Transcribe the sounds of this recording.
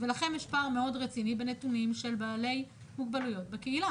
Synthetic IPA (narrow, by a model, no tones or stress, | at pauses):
ve̞laχe̞njeʃpaːʁmeo̞dʁet͡sinibe̞netunimʃe̞lbaːle̞j | muɡ̚balujo̞t̚bekeila